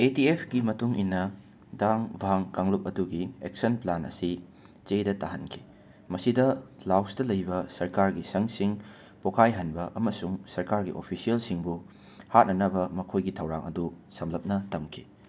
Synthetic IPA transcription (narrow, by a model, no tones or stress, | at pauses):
etiepʰɡimɐtuŋinːɐ | daŋbʱaŋkaŋlup̚ɐduɡiek̚sɐnplanɐ̰si | t͡ʃejdɐtaɦɐnkʰi̥ | mɐsidɐlawsdɐlɐjbɐsɐɾkaɾɡisɐŋsiŋ | pokʰajɦɐnbɐʔɐmɐsuŋsɐɾkaɾɡḭʔo̰pʰisielsiŋbu | hat̚nɐnɐbɐmɐkʰojɡitʰɐwɾa̰ŋɐ̰du | sɐmlɐp̚nɐtɐmkʰi̥